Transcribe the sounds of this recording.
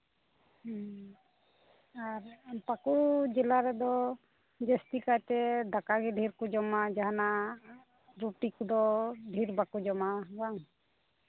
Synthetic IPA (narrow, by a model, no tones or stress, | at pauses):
aɾpakud͡ʒɛlaɾɛd̪ɔ | d͡ʒɛst̪ikat̪ɛd̪akaɡɛɖʱiɾkud͡ʒɔmad͡ʒaɦana | ɾuʈikud̪ɔɖʱiɾbakud͡ʒɔmabaŋ